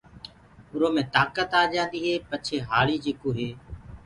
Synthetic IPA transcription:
ʊɾoːmẽːt̪aːkət̪aːd͡ʒãːnd̪iːɦeːpət͡ʃʰeːɦaːɭiːd͡ʒeːkoːɦeː

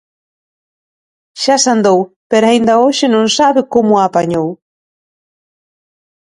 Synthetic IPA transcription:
ʃasand̪ow | peɾaind̪aoʃenõŋsaβekomoapaɲow

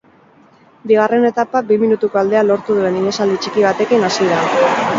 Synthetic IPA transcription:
biɣ̞are̞ne̞t̪apabiminut̪uko̞ald̪e̞alo̞ɾt̪uð̞ue̞niðe̞sald̪it͡ʃikiβ̞at̪e̞kinasiða

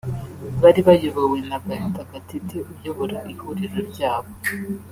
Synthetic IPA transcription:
βaɾiβajoβawe̞naɡahitaɡatiteʔubjo̞βoɾaʔihuɾiɾoɾɟaːβo̞

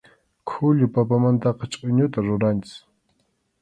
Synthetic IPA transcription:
kʰʊʎʊpapamant̪ɑqɑt͡ʃʼʊɲʊt̪aɾʊɾant͡ʃɪ̥s

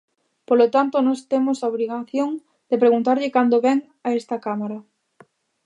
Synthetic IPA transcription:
polot̪ant̪onɔst̪emosaoβɾiɣaθjoŋ | d̪̥epɾeɣunt̪aɾʎɪkand̪oβɛŋ | aɛst̪ɐkamaɾɐ

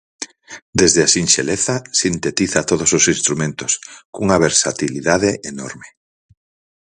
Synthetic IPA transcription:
d̪ezðeasinʃḛleθɐsint̪et̪iθat̪oð̞ososinst̪ɾumẽnt̪ʊskuŋɐβeɾsat̪iliðaðeʔenɔɾme

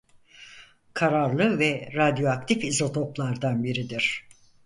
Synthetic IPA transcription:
kʰaɾaɾlˠɯvɛɾad̪jo̞ak̚t̪ʰifizo̞t̪ʰoplˠaɾd̪anbiɾid̪iɾ̥

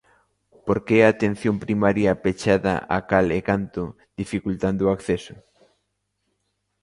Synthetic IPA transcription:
poɾkeɛaːt̪ẽn̟θjompɾimaɾjapet͡ʃaða̰ʔa̰kalekant̪ʊ | ðifikult̪and̪oakθɛsʊ

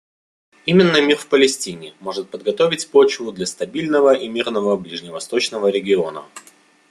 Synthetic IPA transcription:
imʲɪnːəmʲirfpəlʲɪsʲtʲinʲɪmo̞ʐɨt̪̚pəd̪ɡɐt̪o̞vʲɪtʲpo̞t͡ɕvʊd̪lʲɐst̪ɐbʲilʲnəvəʔimʲirnəvəblʲiʐnʲɪvɐst̪o̞t͡ɕnəvəɾʲɪɡʲɪo̞nə̰

